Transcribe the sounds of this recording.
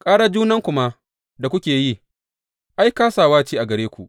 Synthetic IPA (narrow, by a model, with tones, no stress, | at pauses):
kʼaː˦ɽa˦d͡ʒuː˦nɐ˦ŋkʷʊ˦ma˦ʔ | da˨kʷʊ˦kʲeː˨ji˦˨ | ʔa˦jkaː˦saː˨waː˦t͡ʃiː˦ʔa˨ɡɐ˨ɽeː˦kʷu˨ʔ